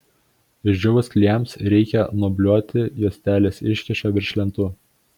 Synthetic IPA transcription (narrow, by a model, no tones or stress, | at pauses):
ɪʒʲd͡ʒʲʊʋɐskʲlʲiɛmsɾʲɛɪkʲɛnubʲlʲuɔt̪ʲɪjuɔsʲt̪ʲæːlʲeːsɪʃʲkʲɪʃʲoːʋʲɪɾʲʃʲlʲɛnt̪uː